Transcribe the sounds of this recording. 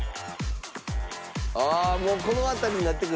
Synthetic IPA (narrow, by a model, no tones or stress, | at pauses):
amoːko̞noat̪aɾʲiɲinat̪ːe̞kɯ